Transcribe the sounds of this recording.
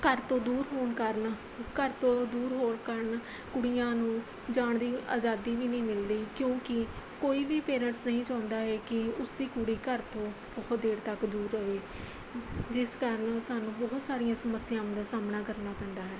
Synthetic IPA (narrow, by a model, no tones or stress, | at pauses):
kəɾt̪õːd̪uːɾɦoːɳkəɾn | kəɾt̪õːd̪uːɾɦoːɳkəɾn | kʊɽijãːnũː | d͡ʒaːɳd̪iːʔa̰ːd͡ʒaːd̪iːbiːnəĩːmɪld̪iːkjõːkɪ | koːiːbiːpeːɾə̃ɳʈsnəɦĩːt͡ʃãːnd̪aːɦɛːkɪʊsd̪iːkʊɽiːkəɾt̪õːbɔːt̪̚d̪eːɾt̪əkd̪uːɾːəʋeː | d͡ʒɪskəɾənsaːnũːbɔɦt̪saːɾijãːsəməsɪjãːmd̪aːsaːmnaːkəɾnaːpəɳɖ̪aːɦɛː